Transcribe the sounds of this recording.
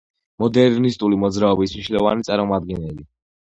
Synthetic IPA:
mɔd̪ɛɾnist̪ʼulimɔd̪zɾaɔbismniʃnilɔva̰nit̪sʼaɾmɔmad̪̚ɡɛnɛli

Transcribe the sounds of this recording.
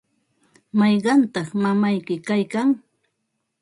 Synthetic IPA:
mɑjɢɑnt̪ɑχmamajkɪkajkaŋ

